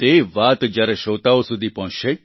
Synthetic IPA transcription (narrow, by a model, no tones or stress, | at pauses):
t̪eʋat̪d͡ʒjaɾeʃot̪aosud̪ʱipəɦɔ̃t͡ʃʃe